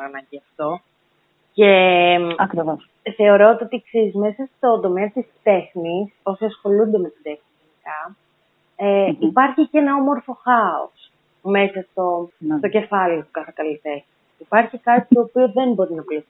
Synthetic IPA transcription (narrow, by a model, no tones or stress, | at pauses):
nɐɟiɐft̪o̞ | ce̞ɐkɾivos | θe̞o̞ɾo̞ot̪io̞t̪iksizizme̞sɐst̪o̞nd̪o̞meɐt̪ist̪e̞xniso̞siɐsxo̞lund̪eme̞t̪id̪e̞xnizʝenikɐ | eipɐɾçice̞nɐo̞mo̞ɾfo̞xɐo̰s | me̞sɐst̪o̞t̪o̞ce̞fɐliost̪okɐθekɐlit̪exnisipɐɾçikɐt̪it̪o̞ːpioðe̞nbo̞ɾinɐpli